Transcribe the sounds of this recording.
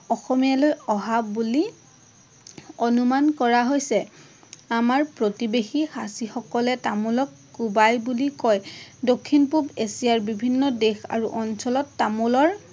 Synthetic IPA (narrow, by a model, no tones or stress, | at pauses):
ɔxɔmijalojɔɦabbuli | ɔnumankɔɹaɦojsɛ | amaɹpɹotibexihasixɔkɔlɛtamulɔkːubajbulikɔjdokʰːinpubesijaɹbibʱinːɔdexa̰ɹuʔɔnsɔlɔtːamulɔɹ